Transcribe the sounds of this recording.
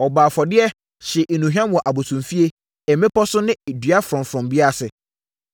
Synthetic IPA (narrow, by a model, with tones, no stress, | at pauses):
ɔ˨baː˨fɔ˨dɪ˦ɛ˦ | ɕɪ˨ʔe˨nũ˨ɦᶣã˦m˦wɔ˨ʔa˨bo˨tʰũ˨mfi˦e˦ | ɛ˨mẽ˦pʰɔ˦sʊ̃˦nɪ̃˦˨dɥa˦fɾɔ̃˨mfɾɔ̃˨mbɪ˦a˦˨sɪ˨